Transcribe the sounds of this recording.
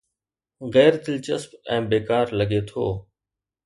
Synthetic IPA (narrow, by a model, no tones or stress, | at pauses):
ɣɛːɾd̪ɪlt͡ʃəspɛ̃ːbeːkaːɾləɡeːt̪ʰo̰ː